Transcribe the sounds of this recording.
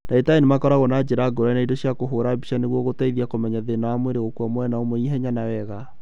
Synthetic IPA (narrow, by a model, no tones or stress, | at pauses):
daetainemakɔɾaɣɔnad͡ʑeɾaɡoɾanaidoɕjakoɦoɾabiʃaneɣwɔɣotaiðiakomɛɲaðenaamweɾeɣokwamwɛnaomoiɦɛɲanawɛɣa